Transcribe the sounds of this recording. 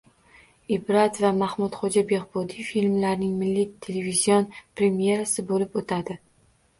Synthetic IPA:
ɪbɾat̪vamahmʊt̪χod͡ʒabe̞ʁbɒd̪ifilmlaɾnɪŋmɪlːit̪ʰe̞levizijonpɾe̞mje̞ɾasɪbolɪpot̪ʰad̪ɪ

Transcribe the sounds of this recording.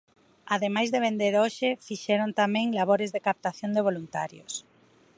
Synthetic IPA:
aðemajzðeβ̞end̪eɾoʃɪfiʃɛɾont̪amɛ̃ŋlaβoɾɪzðekap̚t̪aθjond̪eβ̞olunt̪a̰ɾjo̰s

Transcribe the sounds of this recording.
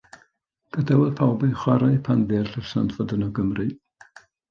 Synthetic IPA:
ɡ̥ədɛwɛðpʰawbiχwaɾaɨpʰanvɪrɬəsantʰvɔdənɔɡəmrɨ

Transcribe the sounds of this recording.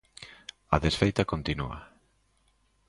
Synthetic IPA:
ɐðesfejt̪ɐkont̪inṵɐ̰

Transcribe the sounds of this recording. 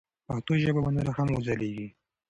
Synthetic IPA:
paxt̪oʒəbabanaɾaxamuzaleɡi

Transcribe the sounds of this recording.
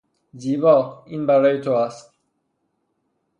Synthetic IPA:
ziːbɒːiːnbæɾɒːjet̪ʰoæst̪

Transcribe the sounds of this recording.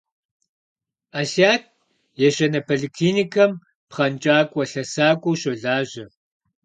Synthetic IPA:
aɬaːt̚ʰ | jɛɕɐnɐpʰɐɮikʰliːnikʰɐm | pχɐnt͡ʃʼaːkʷʼɐɬɐsaːkʷʼowɕɐɮaːʑɐ

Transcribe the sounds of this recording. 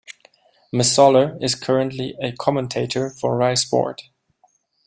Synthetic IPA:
məsɔlˠəɪz̥kʰɜɹə̃ntliɨkʰɑmə̃ntʰeɪɾə˞fə˞ɹaɪsbɔ̰ɹt

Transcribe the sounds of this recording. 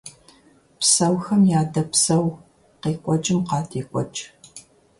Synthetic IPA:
psɐwxɐmjaːdɐpsɐw | qiːkʷʼɔt͡ʃʼɪmqɑːtʰiːkʷʼɔt͡ʃʼ

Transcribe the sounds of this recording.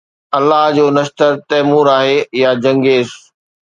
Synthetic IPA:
ɐlːaɦd͡ʑoːnɐʃt̪əɾt̪ɛːmuːɾaːɦejad͡ʑɐ̃ŋɡeːz

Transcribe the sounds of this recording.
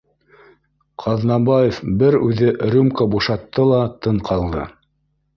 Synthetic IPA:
qʰɑðnɑbɑjefbɘɾʉðɘʔɾumkəbuʃɑt̪ːɤlˠɑt̪ɤɴqʰɑlˠd̪ɤ̰

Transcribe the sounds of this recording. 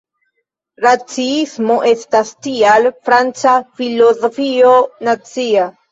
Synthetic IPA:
ɾat͡siismo̞ʔe̞stastialfɾant͡safilozofio̞nat͡sia

